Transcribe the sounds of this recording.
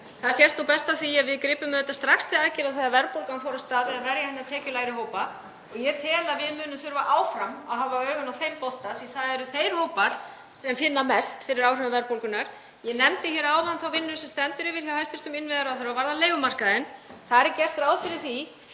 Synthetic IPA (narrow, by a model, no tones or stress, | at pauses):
θaðsjɛst̪uwpɛst̪aθviavɪðkɾɪːpʏmðɛt̪ast̪ɾakst̪ʰɪlaðcɪɾaðθaðavɛɾpowlkanfɔːɾast̪aːðɛðavɛɾjahɛnːat̪ʰɛːcʏlaːjɾɪhoːwpa | ɔɣjɛt̪ʰɛːlavɪðmʏːnʏmθʏɾvaʔaːwfɾamaðɦavaœːɣʏnawθejmpɔlt̪aθviθaðɛɾʏθejɾ̥howpaɾ̥ | sɛmfɪnːamɛst̪fɪɾɪɾawrʏnavɛɾpowlkʏnaɾ̥ | jɛnɛmt̪ɪçɛːɾaːwanθawvɪnːʏsɛmst̪ɛnt̪ʏɾɪvɪɾ̥jawhajst̪ʏst̪ʏmɪnvɪðaɾawθeɾawvaɾðaleːjɣʏmar̥kaðɪnθaðɾɛɾcɛr̥t̪ɾaːwðfɪɾɪɾ̥θi